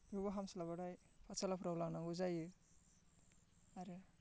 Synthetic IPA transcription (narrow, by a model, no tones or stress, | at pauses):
juβaɦamsalaβaɾaj | pʰasalapʰɾawlaŋnaŋɡuzajɯ | aɾɯ